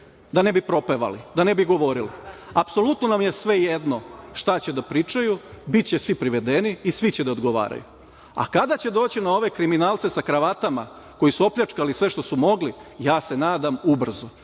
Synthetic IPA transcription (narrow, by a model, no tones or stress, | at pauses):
d̪ane̞bipɾo̞pe̞ʋa̰lid̪ane̞biɡo̞ʋo̞ɾiliapso̞lut̪nonamjesʋe̞jed̪no̞ʃt̪at͡ɕe̞d̪apɾiːt͡ʃajubit̪̚t͡ɕesʋipɾiʋe̞d̪eniːsʋit͡ɕed̪aod̪ɡo̞ʋa̰ːɾa̰jṵ | a̰kad̪at͡ɕe̞d̪o̞ːt͡ɕinao̞ʋe̞kɾiminaːlˠt̪se̞sakɾaʋat̪ama | ko̞jisuo̞pʎat͡ʃkalisʋe̞ʃt̪o̞sumo̞ɡlijaːse̞naːd̪amubr̩zo